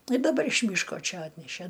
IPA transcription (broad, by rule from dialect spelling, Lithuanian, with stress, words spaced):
ɪ dɐˈbɐr ɪʃ ˈmʲiːʃkoː ˈt͡ʃʲɛ ˈɑːtʲnʲɛʃʲæ